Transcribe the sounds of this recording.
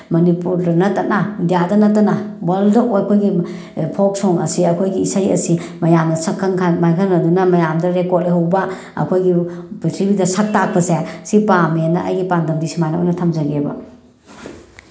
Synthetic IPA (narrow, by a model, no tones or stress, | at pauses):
mɐnipuɾdɐnɐtːɐnɐndijadɐnɐtːɐnɐwɐldoʔjɐkʰojɡi | pʰok̚soŋɐ̰siɐkʰojɡiːsajɐ̰simɐjamnɐsɐkʰːɐŋkʰamajkʰɐŋɐdunɐmɐjamdɐɾekot̚leɦɐwbɐ | ɐ̰kʰojɡipitʰɾibidɐsak̚tak̚pɐsesipamenːɐʔɐ̰jɡipandɐmdisimajnawo̰jnɐtʰɐmzɐɡebɐ̰